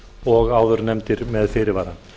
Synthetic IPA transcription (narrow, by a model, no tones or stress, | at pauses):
ɔɣaːwðʏɾnɛmt̪ɪɾmɛðfɪːɾɪɾvaːɾan